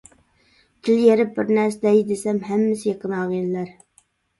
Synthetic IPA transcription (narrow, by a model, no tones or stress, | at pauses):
t̪ʰɪljeɾɪp̚bɪɾnæɾsɪd̪ɛjd̪esɛmɦɛmːɪsɪjeqʰənɑːʁinlæɾ